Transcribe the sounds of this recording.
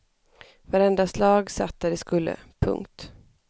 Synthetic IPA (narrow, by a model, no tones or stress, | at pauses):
vaɾɛnd̪aslɑːɡsa̰t̪d̪ad̪ɛskɵlːə̰pʰɵ̰ŋkt̪